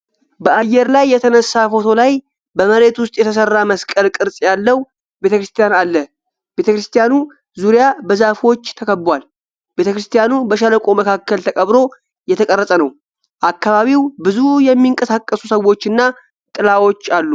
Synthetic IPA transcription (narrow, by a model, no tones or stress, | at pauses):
bəʔajːɛɾlajːɛt̪ʰənəsːafo̞t̪ʰo̞laj | bəməɾe̞t̪wʊst̪ʼjɛt̪ʰəsərːaməskʼəlkʼɨɾsʼjalːəw | be̞t̪ʰəkɾɨst̪ʰijanalːə | be̞t̪əkɾɨst̪ʰijanu | zuɾijabəzafo̞t͡ʃːt̪ʰəkʰəbːwal | b̥e̞t̪əkɾɨst̪ʰijanubəʃaləkʼoməkʰakːəlt̪ʰəkʼəβɾo̞ | jɛt̪ʰəkʼərːəsʼənəw | ʔakːaβaβiwbɨzujɛmːiŋkʼəsakʼːəsusəwo̞t͡ʃːɨnːa | t̪ʼɨlawo̞t͡ʃːalːu